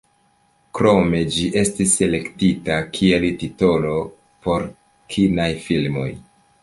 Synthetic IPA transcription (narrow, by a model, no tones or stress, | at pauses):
kɾo̞me̞d͡ʒiʔe̞stisːe̞le̞ktitakʰie̞ltito̞lo̞ | po̞ɾ | kʰinajfilmo̞̰j